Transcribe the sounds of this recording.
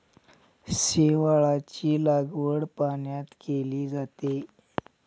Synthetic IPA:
seʋaɭat͡ɕiːlaɡʋəɽpaɳjat̪keliːd͡zat̪e

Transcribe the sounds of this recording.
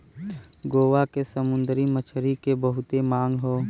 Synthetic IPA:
ɡoːʋakesəmʊ̃nd̪ɾimət͡ʃʰɾikebəɦʊt̪emãːŋɡɦoː

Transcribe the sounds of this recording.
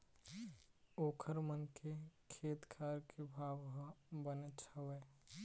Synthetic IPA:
oːkʰəɾmənkʰekʰeːt̪kʰaːɾkʰebʱaːʋɦbənet͡ʃʰəweː

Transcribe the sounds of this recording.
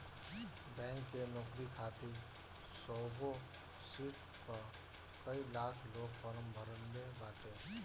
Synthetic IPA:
bɛ̃ːŋkːenɔːkɾikʰaːt̪i | sɔːɡo | siːʈ | ka | kəilaːkʰloːɡpəɾəmbʱəɾənːebaːʈeː

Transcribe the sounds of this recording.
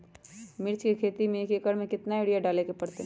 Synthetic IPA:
mɪɾt͡ʃkekʰeːt̪imẽekekəɾmẽkɪt̪naeːɽijaɖaːlekepɐɽt̪eɦ

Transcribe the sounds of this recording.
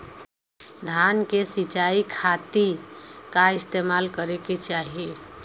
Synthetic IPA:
d̪ʱankesit͡ʃaikʰat̪ikaist̪emalkəɾeket͡ʃaɦi

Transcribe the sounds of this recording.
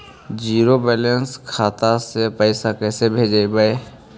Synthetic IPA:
d͡ʒiːɾobɛːlẽnskʰaːt̪asepəɪsakɛːsebʱeːd͡ʒaibae

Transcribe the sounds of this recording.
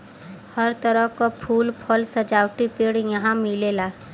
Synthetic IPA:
həɾt̪əɾəɦkopʰuːlpʰəlsɐd͡ʒaːwʈipeːɽjɐɦãmɪlelaː

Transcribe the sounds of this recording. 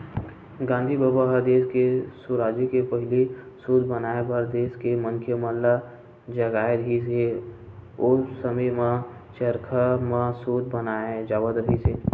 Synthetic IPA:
ɡãːnd̪ʱibəbaɦəd̪eːskesuɾaːd͡ʒikepəɦɪli | suːd̪bənaebəɾd̪eːskeməŋkʰjəməlla | d͡ʒəɡaːeɾəɦise | ʊsəməmãt͡ʃəɾkʰamãsuːd̪ʱbənaed͡ʒaːʋət̪ɾəɦise

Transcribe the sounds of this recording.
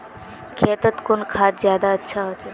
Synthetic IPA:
kʰeːt̪ət̪kʊnkʰaːt̪zjaːd̪aətːʃʰaɦot͡ʃe

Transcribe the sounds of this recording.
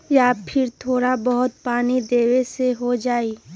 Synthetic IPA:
jaːpʰɪɾt̪ʰoːɾabɐɦʊt̪̚paːnid̪eːweseɦod͡ʒaːiː

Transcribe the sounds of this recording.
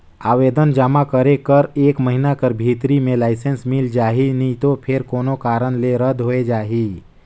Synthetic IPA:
aːʋed̪ənd͡ʒamakəɾekəɾeːkməɦinakəɾbʱit̪ɾimẽlaɪsensmild͡ʒaːɦinit̪opʰeɾkoːnokaːɾənleɾəd̪ʱɦoed͡ʒaːɦi

